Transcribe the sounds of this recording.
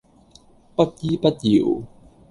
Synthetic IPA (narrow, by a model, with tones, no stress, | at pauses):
pɐ˦˥t̚jiː˦˥pɐ˦˥t̚jḭ˨˩w